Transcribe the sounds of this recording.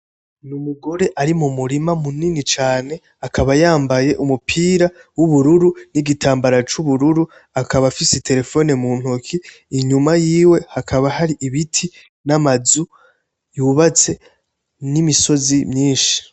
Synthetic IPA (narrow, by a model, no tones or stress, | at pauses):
numuɡo̞ɾe̞ʔaɾimumuɾimamuninit͡ʃaːne̞ | akʰaβajaːmbaje̞ʔumupʰiːɾawuβuɾuɾuniɡitʰaːmbaɾat͡ʃuβuɾuɾu | akʰaβafisetʰe̞ɾe̞fo̞ne̞muːn̥hokʰiː | ɲumajiːwe̞hakʰaβahaɾiʔiβitʰi | namazu | juːβat͡se̞ | nimiso̞zimɲiːnʃi̥